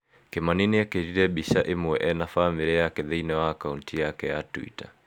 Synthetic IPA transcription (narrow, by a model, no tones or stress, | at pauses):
kemaniniakeɾiɾɛbiʃaʔemuɛʔɛnafamiɾiakeðeinɛwaːkauntʰijakɛjatwḭta